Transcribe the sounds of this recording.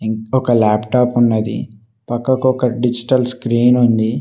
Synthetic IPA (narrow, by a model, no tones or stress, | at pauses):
ɔkɐlaːpʈaːpunːɐd̪ḭ | pɐkːɐkuɔkɐɖid͡ʒiʈɐlskɾiːnund̪i